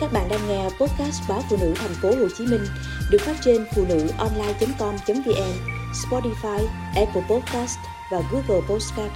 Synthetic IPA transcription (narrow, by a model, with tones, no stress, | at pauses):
kaː˦˥k̚ɓa̰ː˧˨nɗaː˧ŋŋɛ˧po˦˥t̚kaː˦˥s̚ɓaː˨˦fṵ˧˨nɨ̰˧˥t̪ʰɛ˨˩jŋ̟fo˨˦ho˨˩t͡ɕi˨˦mï˧ŋ̟ | ɗɨ˨˩ək̚faː˦˥t̚t͡ɕe˧nfṵ˧˨nɨ̰˧˥ʔɔ˧nlaː˧jt͡ɕə˨˦mkɔ˧mt͡ɕə˨˦nvi˧ʔɛ˧m | spɔ˧ti˧faː˧j | ʔɛ˧pə˧pɔ˦˥t̚kaː˦˥st | vaː˨˩ɣu˨˦˥ɣəː˧˩po˦˥t̚ska˦˥p̚